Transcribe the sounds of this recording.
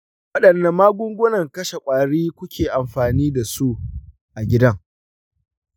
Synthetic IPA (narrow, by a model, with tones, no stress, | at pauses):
wɐ˦ɗɐ˨nːɐ˨maː˦ɡʷʊ˦ŋɡʷʊ˦nɐ˨ŋkɐ˦ʃe˨kʷʼaː˨ɽiː˦kʷʊ˦kʲʰeː˨ʔa˨mɸaː˨niː˦da˨su˦ʔ | ʔa˨ɡʲɪ˦dɐ˦ŋ